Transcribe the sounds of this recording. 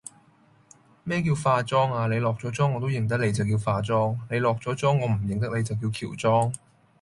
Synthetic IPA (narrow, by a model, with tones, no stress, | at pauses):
mɛː˥k̬iː˧wfaː˧t͡sɔː˥ŋaː˧le˨˧jlɔː˨k̚t͡sɔː˨˥t͡sɔː˥ŋːɔː˨˧t̪o˥wjɪ˨ŋt̪̬ɐ˥k̚le˨˧jt͡sɐ˨wkiː˧wfaː˧t͡sɔː˥ŋle˨˧jlɔː˨k̚t͡sɔː˨˥t͡sɔː˥ŋːɔː˨˧m̩˨˩jɪ˨ŋt̪ɐ˥k̚le˨˧jt͡sɐ˨wk̬i˧wkʰḭː˨˩wt͡sɔː˥ŋ